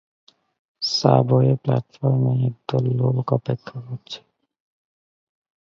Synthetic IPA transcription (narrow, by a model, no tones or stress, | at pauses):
sa̰bɔepla̰t̪fɔɾmeeɡ̚d̪ɔlːolkɔpekʰːɔɦot͡ʃʰe̥